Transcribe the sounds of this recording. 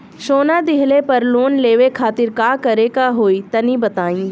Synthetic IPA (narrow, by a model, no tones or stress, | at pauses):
ʃoːnad̪ɪɦlepɐɾloːnleːʋekʰaːt̪ɪɾkaːkɐɾekaɦoːit̪ɐnibɐt̪aːĩː